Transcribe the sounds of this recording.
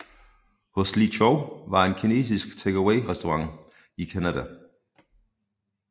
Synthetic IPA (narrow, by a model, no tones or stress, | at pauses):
hoslit͡ʃʰoʊʋɑ̈e̝nkʰine̝̰ːs̬isɡ̥t͡sʰeɡ̥æweɪʁɛsd̥oʁɑ̈ŋ | ikʰænæd̥æ